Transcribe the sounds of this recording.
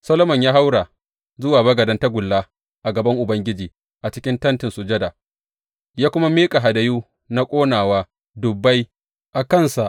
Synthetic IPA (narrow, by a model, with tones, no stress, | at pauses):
sɐ˦lo˦mɔ˨ɲjaː˦ɦa˦wɽa˨ | zʊ˦waː˨bɐ˦ɡɐ˨dɐ˦nta˦ɡʷʊ˨lːaː˦ | ʔa˨ɡɐ˨bɐ˦ŋʔʊ˨bɐ˦ŋɡʲɪ˦d͡ʒiː˨ | ʔa˨t͡ʃɪ̥˦kʲɪ˦ntɐ˦ntɪ˨nsʊ˨d͡ʒɐ˦da˨ | jaː˦kʷʊ˦ma˦miː˦kʼa˨ɦa˨dɐ˨juː˦ | na˦kʷʼoː˦naː˨waː˦ | dʊ˨bːa˦j | ʔa˨kɐ˦nsa˨ʔ